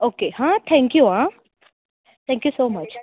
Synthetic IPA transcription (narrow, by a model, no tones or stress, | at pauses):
oːkehãt̪ʰɛ̃ŋkjuã | t̪ʰɛ̃ŋkjusoːmɐt͡ʃ